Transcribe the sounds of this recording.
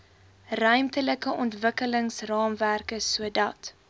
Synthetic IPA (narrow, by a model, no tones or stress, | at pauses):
rœɥmtələkəʔɔntvəkələŋsrɑːmværkəsuədɐt